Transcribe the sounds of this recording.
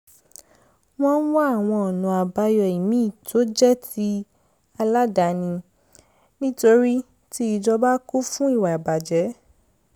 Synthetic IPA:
w̃ɔ̃˦n̩˦wa˦a˦˨w̃ɔ̃˧ɔ˨nũ˨a˨ba˧˦jɔ˧˨i˨mĩ˨˦˨to˨˦d͡ʒɛ˦ti˧˦ | a˧la˦da˨nĩ˧ | nĩ˦to˧ɾi˦ | ti˦i˧d͡ʒɔ˧ba˦ku˦fũ˦i˦˨wa˨ba˨d͡ʒɛ˨˦

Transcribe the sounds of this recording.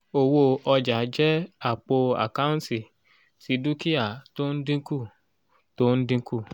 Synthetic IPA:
o˨wo˧ɔ˧d͡ʒa˨˦d͡ʒɛ˦a˨k͡po˧a̰˨ka˦ũ˦ti˨ | si˨˦du˦ki˦a˦˨to˦n̩˦dĩ˦ku˦˨ | to˦n̩˦dĩ˦ku˦˨

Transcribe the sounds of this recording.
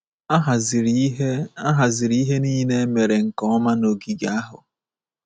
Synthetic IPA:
ɦz | a˦ɦa˨zi˨ɾɦe˦niː˦ne˦me˨ɾe˨ŋ̩˨kɔ˦ma˦no˨ɡi˦ɡa˦ɦʊ˨

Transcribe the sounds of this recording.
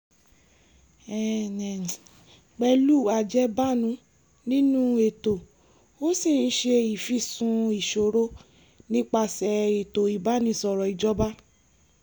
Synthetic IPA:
ɛ˦˨nɛ̃˨ | k͡pɛ˧lu˦˨a˨d͡ʒɛ˦ba˦nũ˧˦ | nĩ˦nũ˦e˨to˨ | o˦si˦˨n̩˦ʃe˧i˨fi˦˨sũ˧i˨ʃo˨ɾo˦ | nĩ˦k͡pa˧sɛ˨e˨to˨i˨ba˨˦nĩ˧˦sɔ˨ɾɔ˨i˨d͡ʒɔ˦ba˦

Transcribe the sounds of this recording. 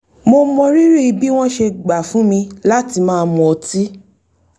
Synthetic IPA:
mo˧mɔ̃˧ɾi˦ɾi˦i˧bi˦w̃ɔ̃˦ʃe˧ɡ͡ba˨fũ˨˦mĩ˧la˦ti˧mãː˦˨˧mɔ̃˧ɔ˧ti˦

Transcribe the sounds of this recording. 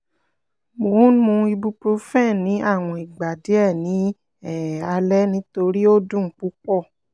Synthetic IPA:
mo˨˦mũ˧˦i˧bu˧pɾo˧˦fɛ̃˦˨nĩ˨˦ʔa˦˨w̃ɔ̃˨i˨ɡ͡ba˨de˨˦ɛ˦˨nĩ˨˦ | ɛ˦˨a˧lɛ˦nĩ˦to˧ɾi˦o˦dũ˦˨˦k͡pu˦k͡pɔ˦˨

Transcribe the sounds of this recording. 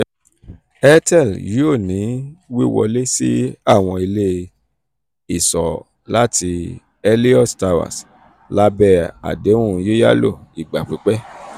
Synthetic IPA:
ɛ˦tɛ˦˨ljo˦˨nĩ˨˦wi˦wɔ̰˧le˦si˦a˦˨w̃ɔ̃˧i˧le˦ | i˦˨sɔ˨ | la˦ti˧ | ɛ˧li˦ɔ˦˨sta˧wa̰˨s | la˦bɛ˦a̰˨de˨˦ũ˦˧je˦ja̰˦lo̰˦˨i˨ɡ͡ba˨k͡pi˨˦k͡pɛ˦

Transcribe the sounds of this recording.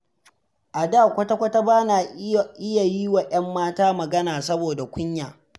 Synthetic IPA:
ʔa˨daː˦˨kʷɐ˦ta˦kʷɐ˦ta˦baː˦na˨ʔɪ˦ja˨ji˦wa˨ʔɐ˦mːaː˦taː˦mɐ˨ɡɐ˦naː˨sɐ˦boː˨da˨kʷʊ˦ɲjaː˨

